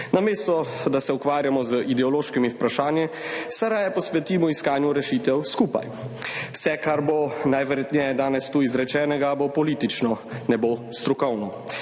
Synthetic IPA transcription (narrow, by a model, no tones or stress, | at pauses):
nameːst̪ɔ | d̪asɛukʋaːɾjamɔzəʔid̪ɛɔloːʃkimipɾaʃaːnji | sɛɾajɛpɔsʋɛt̪iːmɔiskaːnjuɾɛʃit̪ɛwskuːpa̰jwsɛkaɾbonajʋəɾjɛt̪ɲɛjɛd̪aːnɛst̪uːizɾɛt͡ʃɛːnɛɡabopɔliːt̪it͡ʃnɔnɛbost̪ɾukɔwnɔ